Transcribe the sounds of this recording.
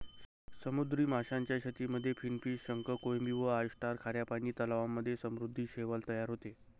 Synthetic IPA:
səmud̪ɾiːmaɕaɲt͡ɕjaɕət̪iːməd̪ʱːjefʰinfiːsɕəŋkəkojmiːʋəajʂʈaɾkʰaɾjapañiːt̪əlaʋamːəd̪ʱːjesəmɾud̪ʱːiːɕeʋəlt̪əjaɾɦot̪e

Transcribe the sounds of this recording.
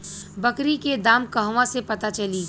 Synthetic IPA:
bɐkɾiked̪aːmkɐɦʋãsepɐt̪at͡ʃɐliː

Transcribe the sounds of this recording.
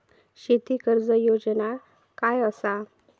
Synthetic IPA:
ɕet̪ikəɾd͡zəjod͡zəna | kajəsa

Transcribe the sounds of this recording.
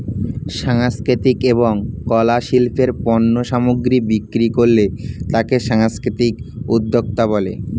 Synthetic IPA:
ʃaŋskɾit̪ikeβoŋkɔlaʃilpʰeɾpɔnːoʃamuɡɾibikːɾikoɾlet̪akeʃaŋskɾit̪ikud̪ʱːokt̪abɔlḛ

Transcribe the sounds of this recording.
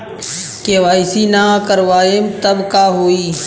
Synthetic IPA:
keːʋaːisiːnaːkəɾʋaːemt̪əbkaːɦoːiː

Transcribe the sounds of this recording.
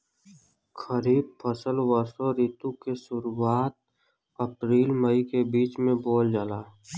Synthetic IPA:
kəɾiːb̚pʰəsəlwəɾsoɾiːt̪ũkesʊɾuaːt̪̚ | əpɾiːlməikebiːt͡ʃmẽboːld͡ʒaːlaː

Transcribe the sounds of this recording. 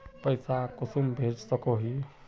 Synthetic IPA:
pəjsakosumbʱed͡ʒsəkoɦi

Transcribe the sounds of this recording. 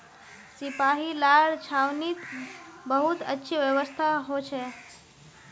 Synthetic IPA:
sipaɦilaɽt͡ɕʰawniːt̪bəɦut̪ətːɕʰiʋjəʋəst̪ʰaɦot͡ʃʰe

